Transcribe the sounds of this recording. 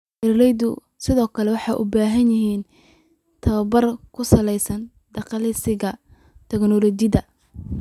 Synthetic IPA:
ʔɪrlɛjd̪ʊ | sɪðɔːkʰɐlɛwɑħɑjʔʊbaːɦɐnjɪɦiːn | t̪ʰɐβɐbɐrkʰʊsɐlɛjsɐn | ɖ̪̥ɑqɑlɪsɪɣɐ | t̪ʰɛɡnɔlɔt͡ʃɪðɐ

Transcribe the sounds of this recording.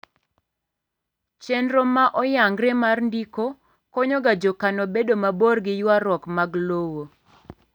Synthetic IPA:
t͡ʃɛndɾomaʔɔjaŋɡɾemarndiko | kɔɲɔɡad͡ʒɔkanobedomaborɡɪjwaɾɔkmaɡlowo

